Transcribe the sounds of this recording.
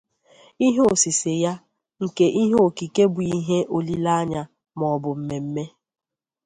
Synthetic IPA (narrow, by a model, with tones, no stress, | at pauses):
i˦ɦe˦o˨si˨se˨ja˦ | ŋ̩˨ke˦ʔi˦ɦe˦o˨ki˨ke˦bʊ˨i˦ɦe˦ʔo˨li˦la˦a˦ɲa˨ | mɔ˨bʊ˨m̩˨me˨m̩˦me˦